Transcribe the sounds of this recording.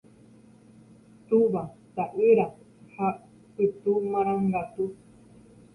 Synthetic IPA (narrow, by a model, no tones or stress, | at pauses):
t̪uβat̪aʔiɾa | ha | it̪umãɾ̃ãŋɡat̪u